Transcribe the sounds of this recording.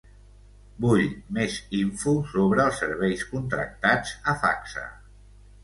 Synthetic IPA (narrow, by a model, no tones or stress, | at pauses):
buʎmeziɱfusoβɾəːlˠsːəɾβɛjskunt̪ɾə̰k̚t̪ad͡zəfa̰ksə̰